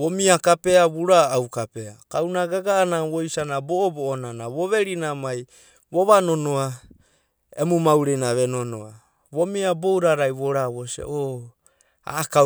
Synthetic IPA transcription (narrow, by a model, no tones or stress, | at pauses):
omiakape̞aβuɾaːwkape̞akawnaɡaɡaːnawojsanabooboːnanaβoβe̞ɾinamaj | βoβanonoa | emumawɾejnaβe̞nono̰a | βo̞miabowɾaɾajβoɾaβosḛʔo | a̰ːka